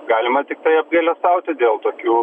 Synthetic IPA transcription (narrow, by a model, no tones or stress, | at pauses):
ɡɑːlʲɪmɐt̪ʲɪk̚t̪ɐɪɐb̚ɡʲɐlʲɛst̪ɐʊt̪ʲɪd̪ʲeːlˠt̪oːkʲuː